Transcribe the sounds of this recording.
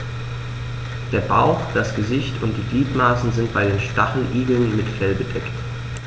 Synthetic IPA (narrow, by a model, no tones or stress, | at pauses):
d̥eːɐbaʊχd̥asɡ̥əzɪçtʰʊnt̚d̥iːɡliːtmaːsn̩zɪntb̥aɪdeːnʃtaχl̩ʔiːɡl̩nmɪtfɛlbədɛkt